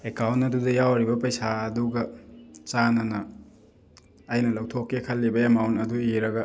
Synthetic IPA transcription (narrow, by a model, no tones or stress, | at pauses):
ekawntɐdudɐjawɾibɐpɐjsaɐduɡɐt͡ʃanɐnɐ | jnɐlɐwtʰokːekʰɐlːibɐemawntɐduiɾɐɡɐ